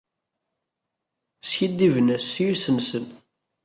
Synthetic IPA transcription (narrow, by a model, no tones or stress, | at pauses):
sçid̪ːivənæsːijsənsən